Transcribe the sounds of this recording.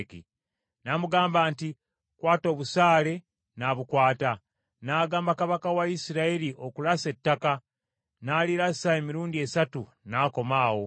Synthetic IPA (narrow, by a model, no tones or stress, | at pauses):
kḭ | namuɡaːmbaːnti | kwaːto̞ːβusaːle̞ | naβukwaːta | naːɡaːmbakaβakawaisiɾaeliʔo̞kulase̞tːaka | naliɾasae̞miɾuːndie̞satu | naːko̞maːwo̞